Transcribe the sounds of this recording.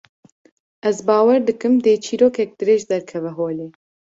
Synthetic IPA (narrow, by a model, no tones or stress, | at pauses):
ɛzbɑːwɛɾd̪ɨkɨmd̪eːt͡ʃʰiːɾoːkɛk̚d̪̥ɨɾeːʒd̪ɛɾkʰɛvɛɦoːleː